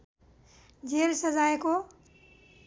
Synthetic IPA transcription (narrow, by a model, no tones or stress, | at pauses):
d͡ʒeːlsəzaːeko